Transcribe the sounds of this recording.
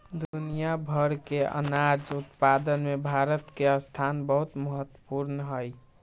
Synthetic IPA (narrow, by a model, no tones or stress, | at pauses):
d̪unijabʱəɾkeə̰nad͡ʒut̪pad̪ənmebʱaɾət̪keəst̪ʰanbəɦut̪məɦət̪wəpuɾnəɦəj